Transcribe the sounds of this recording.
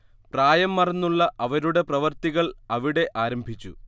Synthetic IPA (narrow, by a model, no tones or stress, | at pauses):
praːjɐmːɐrɐnːuɭːɐʔɐʋɐɾuɽe̞prɐʋɐrt̪iɣɐɭɐʋiɽe̞ʔaːɾɐmbʱit͡ɕːṵ